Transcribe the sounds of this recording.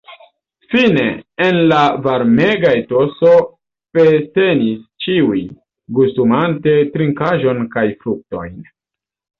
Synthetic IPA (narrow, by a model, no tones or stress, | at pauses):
fine̞̰ːnlavaɾme̞ɡaeto̞so̞ | pete̞nist͡ʃiuj | ɡustumante̞tɾiŋkaʒo̞nkajfɾuk̚to̞̰jn